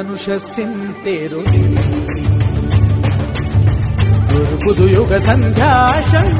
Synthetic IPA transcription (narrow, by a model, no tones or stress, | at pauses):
nuʂɐsin | t̪eːɾod̪i | d̪uɾbud̪ʱujuɡɐsɐnd̪ʱjaːʃɐ